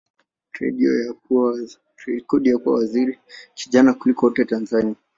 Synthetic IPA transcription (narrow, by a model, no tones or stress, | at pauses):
tɾɛ̰ɗiɔ̰ja | kɔɗijakua̰waziɾikiʄanakulikɔɔtɛtanzania